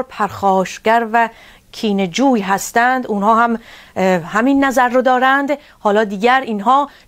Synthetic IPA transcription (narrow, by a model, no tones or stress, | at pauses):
ɾpʰæɾxɒːʃɡæɾvæ | cʰiːned͡ʒuːjɦæst̪ænd̪unhɒːhæm | hæminːæzæɾːod̪ɒːɾænd̪ | hɒːlɒːd̪iːɡæɾiːnɦɒː